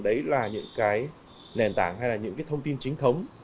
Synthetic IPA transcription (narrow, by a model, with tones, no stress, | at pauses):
ɗə˨˦jlaː˨˩ɲɨ̰˧˥ŋkaː˨˦j | nɛ˨˩nt̪aː˧˩ŋhɦa˧jlaː˨˩ɲɨ̰˧˥ŋkaː˨˦t̪ə˧wŋ͡mt̪i˧nt͡ɕï˨˦ŋ̟t̪ʰə˨˦wŋ͡m